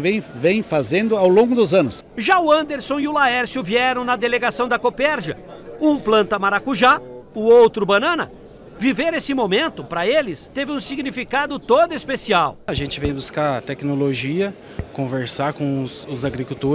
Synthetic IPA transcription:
vẽj̃vẽj̃fazẽnd̪ʊawlõɡʊd̪ʊzɐ̃nʊsʒaʊɐ̃nd̪eɾsõw̃ɪʊlaɛɾsjʊviɛɾɐ̃w̃nɐd̪eleɡasɐ̃w̃d̪ɐkopɛɾʒɐũplɐ̃nt̪ɐmaɾakuʒaʊowt̪ɾʊbɐ̃nɐ̃nɐ | viveɾesɪmomẽnt̪ʊpɾɐelɪst̪evɪũsiɡnifikad̪ʊt̪od̪ʊispesiawaʒẽnt͡ʃɪvẽj̃buskat̪ɛknoloʒiɐ | kõveɾsaɾkõw̃ʊsʊzaɡɾikut̪oɾ

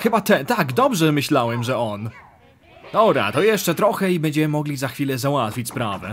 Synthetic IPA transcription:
xɘbat̪ɛnt̪aɡd̪ɔbʐɛmɘɕlawɛmʐɛɔn | d̪̥ɔbɾa̰t̪ɔjɛʂt͡ʂɛt̪ɾɔxɛibɛɲd͡ʑɛmɘmɔɡlʲizaxfʲilɛzawat̪fʲit͡ɕspɾavɛ̰

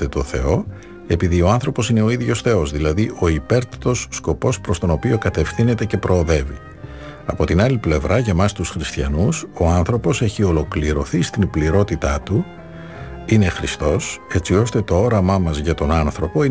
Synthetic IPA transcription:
t̪et̪o̞θe̞o̞ | e̞piðio̞ɐnθɾo̞po̞sine̞o̞iðʝo̞sθe̞o̞zðilɐðiʔo̞ipe̞ɾt̪it̪o̞sːko̞po̞spɾo̞st̪o̞no̞pio̞kɐt̪e̞fθine̞t̪e̞ce̞pɾʔo̞ːðe̞vḭ | ɐpo̞t̪inɐliple̞vɾɐʝɐmɐst̪usxɾist̪çɐnuso̞ɐnθɾo̞po̞se̞çio̞lo̞kliɾo̞θist̪inbliɾo̞t̪it̪ɐt̪u | ine̞xɾist̪o̞se̞t͡sio̞st̪e̞t̪o̞o̞ɾɐmɐmɐzʝɐt̪o̞nɐnθɾo̞po̞i

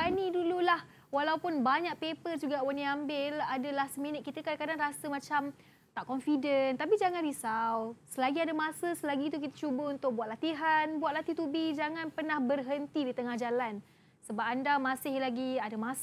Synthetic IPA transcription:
anidululah | walaupʊnbaɲak̚pepərd͡ʒuɡawanĩambɪladalahsəminət̪̚kit̪əkadakadaŋrasəmãt͡ʃam | t̪aʔkɔnfidənt̪apid͡ʒaŋanɾisawsəlaɡiadamasəsəlaɡit̪̬uk̬it̪ḁt͡ʃubəunt̪ʊk̚buat̪lat̪iɦanbuat̪̚lat̪it̪ubid͡ʒaŋanpərnahbərɦənt̪idit̪əŋahd͡ʒalan | səbap̚andamasɪhlaɡiadamas

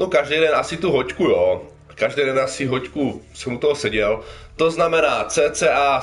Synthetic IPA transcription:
nokaʒdejdɛnasɪt̪uɦockujo | kaʒdɛjdɛnasiɦockusɛmut̪oɦosɛɟɛlt̪oznamɛnaːt͡sɛːt͡sɛːʔaː

